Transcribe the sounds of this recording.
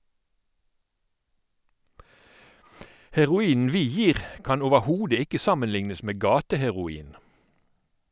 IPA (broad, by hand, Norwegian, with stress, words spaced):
hɛʁʊˈiːn̩ ˈʋiː ˈjiːʁ ˈkɑn oːʋəˈhuːdə ˈɪkə ˈsɑmənˌlɪŋnəs ˈmeː ˈɡɑːtəhɛʁʊˌiːn